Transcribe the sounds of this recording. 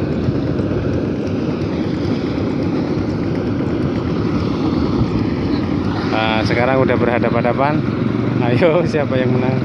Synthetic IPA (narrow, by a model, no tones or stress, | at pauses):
əsəkaɾaŋudabərɦadapɦadapan | ajosiapajaŋmənaŋ